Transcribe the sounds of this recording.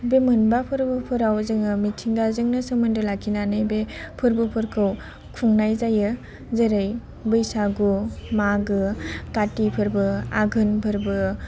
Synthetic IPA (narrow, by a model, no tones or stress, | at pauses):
bemɯnbapʰɯɾbɯpʰɯɾawzɯŋɯmitʰiŋɡazɯŋnɯsɯmɯndɯlakʰinanɯjbepʰɯɾbɯpʰɯɾkʰɯw | kʰuŋnajzajɯ | zɯɾɯj | bɯjsaɡumaɡɯkatipʰɯɾbɯaɡʱɯnpʰɯɾbɯ